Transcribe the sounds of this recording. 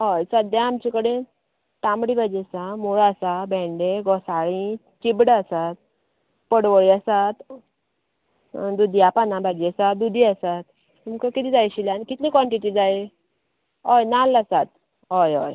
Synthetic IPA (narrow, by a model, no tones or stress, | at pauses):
ɦɔjsəd̪jãːmt͡ɕikəɽe | t̪ãmbɽibad͡ʑesamuɭasabʱɛ̃ɳɖeɡɔsaɭĩ | t͡ɕibɽasat̪̚ | pəɽʋəɭiasat̪ | d̪ud̪ʱiapanabad͡ʑesat̪̚d̪ud̪ʱiasat̪ | umkəkit̪id͡zajɕiljanikit̪lĩkʋaɳʈiʈid͡zaj | ɔjnalːasat̪̚ | ɦɔjɔj